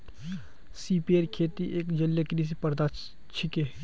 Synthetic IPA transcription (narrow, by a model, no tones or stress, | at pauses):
siːpieɾkʰeːt̪iʔeːkd͡ʒɐljakɾiːs̬epɐɾd̪a | t͡ʃʰɪkeː